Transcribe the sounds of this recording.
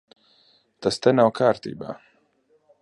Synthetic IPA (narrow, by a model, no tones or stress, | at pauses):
t̪ast̪ɛnawkʰaːɾt̪ḭːba̰ː